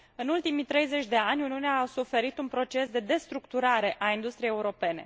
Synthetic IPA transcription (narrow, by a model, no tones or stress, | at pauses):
ɨnult̪imit̪ɾe̞jze̞t͡ʃʲd̪e̞anʲuniuneaːsufe̞ɾit̪unpɾo̞t͡ʃe̞sd̪e̞d̪e̞st̪ɾukt̪uɾaɾe̞ʔaind̪ust̪ɾijejeuɾo̞pe̞ne̞̰